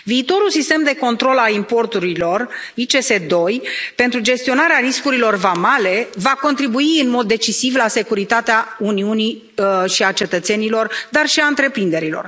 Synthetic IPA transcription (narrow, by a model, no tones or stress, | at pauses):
viːt̪o̞ɾulsist̪e̞md̪e̞ko̞nt̪ɾo̞lalimpo̞rt̪uɾilo̞rit͡ʃe̞se̞d̪o̞jpe̞nt̪ɾud͡ʒe̞st̪io̞naɾeaɾiskuɾilo̞rvamale̞vako̞nt̪ɾibuiɨnmo̞d̪ːe̞t͡ʃisivlase̞kuɾit̪at̪eauniuni | ʃiat͡ʃe̞t̪ət̪se̞nilo̞rd̪arʃiaɨnt̪ɾe̞pɾind̪e̞ɾilo̞̰r